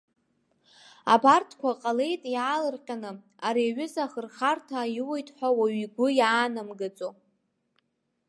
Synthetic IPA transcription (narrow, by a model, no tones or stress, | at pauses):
a̰bartʰkʷʰaqʼale̞jtʼjaːlɨrqʲʼanɨ | aɾiɥʏzaχərχartʰajɪwejtʼħʷᶣawaɥiɡʷʊjaːnamɡɨt͡sʼo